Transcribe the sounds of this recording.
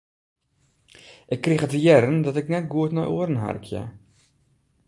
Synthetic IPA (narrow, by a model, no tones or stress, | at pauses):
ʔɪkːrixətəjɛɾəndɔtɪknɛt̚ɡuətnɔ̰jʔuərən̩ɦa̰rkʰjə̰